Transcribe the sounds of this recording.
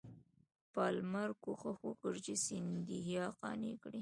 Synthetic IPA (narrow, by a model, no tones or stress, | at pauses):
pɑlmaɾkoxəxokəɾd͡ʒisɪnd̪ihjɑqɑ̰nikɽi